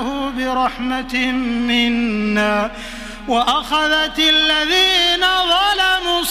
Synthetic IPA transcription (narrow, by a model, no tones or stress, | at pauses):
huːbɪɾˤɑħmat̪ːɪnːaː | waʔaxaðat̪alːaðiːnaðˤɑlamʊs